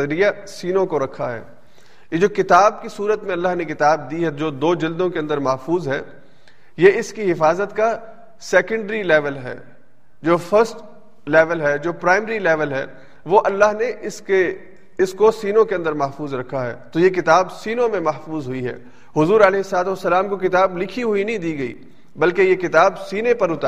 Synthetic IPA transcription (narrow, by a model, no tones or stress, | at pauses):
ɾija | siːnõkoɾɐkʰːaɦɛ̰ː | jed͡ʒoːkɪt̪aːb̚kisuːɾət̪mẽɐlːaːɦnekɪt̪aːb̚d̪iɦɛd͡ʒoːd̪oːd͡ʒɪld̪õkeɐ̃nd̪əɾmɐɦfuːzɦɛː | jeɪskiɦɪfaːzət̪ka | sɛːkə̃ɳɖɾilɛːʋəlɦɛ̰ː | d͡ʒoːfʰəɾsʈ | lɛːʋəlɦɛːd͡ʒoːpɾaːɪmɾilɛːʋəlɦɛ̰ː | ʋoʔɐlːaɦneɪske | ɪskosiːnõkeɐ̃nd̪əɾmɐɦfuːzɾɐkʰːaɦɛ̰ːt̪ojek̬ɪt̪aːbsiːnõmẽmɐɦfuːzɦʊiɦɛ̰ː | hʊzuːɾɐlɛːɦɪsːɐlaːt̪̬uɐsːɐlaːmkok̬ɪt̪aːblɪkʰiɦʊinɐɦĩd̪iːɡɐḭː | bɐlkejekɪt̪aːbsiːnepɐɾʊt̪a